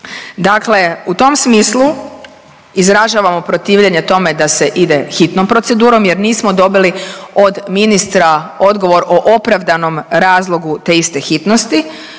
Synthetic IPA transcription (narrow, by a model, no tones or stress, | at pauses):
d̪akle̞ut̪o̞msmiːslˠu | izɾaʒaːʋamo̞pɾo̞t̪iːʋʎeɲe̞t̪o̞me̞d̪ase̞ʔid̪e̞xit̪nompɾo̞t̪sed̪uːɾo̞mje̞ɾniːsmo̞d̪o̞bilio̞d̪minist̪ɾao̞d̪ɡo̞ʋo̞ɾʔoʔopɾaʋd̪ano̞mɾaːzlˠo̞ɡut̪eist̪e̞xit̪no̞st̪i